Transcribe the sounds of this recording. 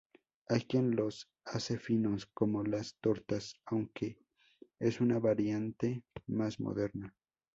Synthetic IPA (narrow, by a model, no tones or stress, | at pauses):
ajkje̞nlo̞s | ase̞fino̞sko̞mo̞last̪o̞ɾt̪asawŋkʰe̞ | esunaβaɾjant̪e̞mazmo̰ðe̞ɾna